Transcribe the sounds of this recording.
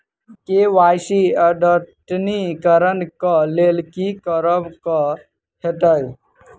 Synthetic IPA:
keʋasiəɖəʈnikəɾənkəlelkikəɾəbkə | hʰeʈəj

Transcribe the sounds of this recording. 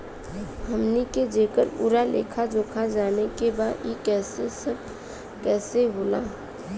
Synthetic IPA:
ɦəmniked͡ʒeːkəɾpṵːɾalḛːkʰad͡ʒoːkʰad͡ʒaːnekebaːjekɛːsesəb | kɛːseɦoːla̰ː

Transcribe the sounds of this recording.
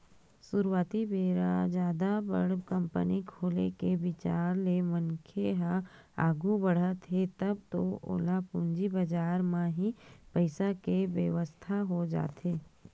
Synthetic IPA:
suɾwaːt̪ibeːɾad͡ʒaːd̪abə̰ɽkə̃mpə̰nikʰoːlḛkeʋɪt͡ʃaːɾlemənkʰeɦa | aːɡubɐɽ̤at̪ʰet̪ɐb̚t̪oo̰ːlapũːɲd͡ʒibəd͡ʒaːɾmãɦipəɪsakeʋjəʋəst̪ʰaɦod͡ʒa̰ːt̪ʰeː

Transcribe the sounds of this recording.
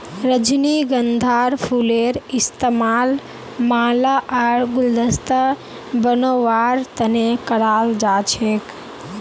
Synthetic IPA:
ɾəd͡ʒniɡənd̪ʱaːɾpʰuleɾist̪emaːl | maːlaʔaɾɡʊld̪əst̪ə | bənoʋaːɾt̪ənekəɽaːld͡ʒaːt͡ʃʰek

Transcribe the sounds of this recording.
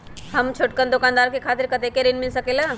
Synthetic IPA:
həmt͡ʃʰoʈ̚kənd̪ʊkaːnd̪aːɾkekʰaːt̪ɪɾkət̪ekeɾinmɪlsəkeːlaː

